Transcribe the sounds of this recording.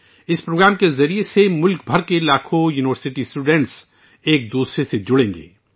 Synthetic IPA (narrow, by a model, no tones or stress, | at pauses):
ɪspɾoːɡɾaːmkezɐɾiesemʊlkbʱɐɾkelaːkʰojuːnɪʋəɾsɪʈisʈuːɖẽɳʈs | eːk̚d̪uːsɾesed͡ʒʊɽẽːŋɡḛː